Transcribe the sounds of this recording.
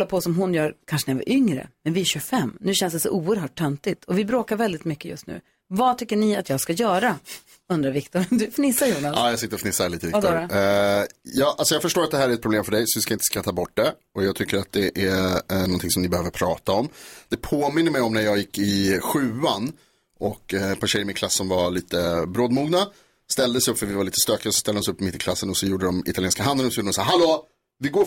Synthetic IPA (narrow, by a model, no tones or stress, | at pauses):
lːapʰɔsɔmɦʊnjœːɾkʰanʂənɪjava̰ɾʔʏŋɾə̰mɛnvɪæɕɵfɛmːnʉ̟ːɕɛnsd̪ɛsɔ̰ʔuːəɾɦœːʈ̚ʰːœnt̪ɪt̪ʰɔvɪbɾoːkaɾvɛld̪ɪt̪mʏkːəjɵ̰st̪nʉ̰ː | vat̪ʰʏkːəɳɪat̪jɑːɡskajœːɾa | ɵnd̪ɾaɾvɪkt̪ʊɾd̪ɵfnɪsːajuːnaaːjɑsɪt̪ːɾɔfnɪsːaliːt̪əvɪkd̪ | jɑːʔalsɔjɑːɡfœʂʈoːɾat̪̚d̪ɛhæːɾɛt̪̚pɾʊbleːmfœɖɛjsɔʋɪskaɪnt̪ə̥skat̪ʰːɑːbɔʈ̚ːd̪ɛʔɔjɑːɡt̪ʰʏkːəɾat̪̚d̪ɛʔænɔnt̪ʰɪŋsɔmnɪbɛhøːvəɾpʰɾɑːt̪aɔmd̪̥ɛpʰoːmɪnːəmɛjɔmnæɾjɑːɡjɪkːɪɧʉ̟ːan | ʔɔk̪ːpʰaʂɕɛjːɾmɪnkʰlasːɔmvaɭiːt̪əbɾoːd̪muːɡna | st̪ɛld̪əsɛjɵpːfœɾvɪvaɾliːt̪ə̥st̪øːkɪɔsɔ̥st̪ɛld̪hɔnsɪɵpːmɪt̪ːɪkʰlasːənɔsɔjuːɖəd̪ɔmɪ̰t̪aleːnskaɦand̪ənɔsɔjuːɖədɔmsaːɾɦaloː | vɪɡoː